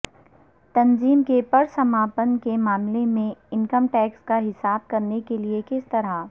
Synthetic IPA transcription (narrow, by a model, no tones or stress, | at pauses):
t̪ɐnziːmkepɐɾsɐmaːpənkemaːmlemẽɪnkəmʈɛːkskaɦɪsaːb̚kɐɾnekeliekɪst̪ɐɾa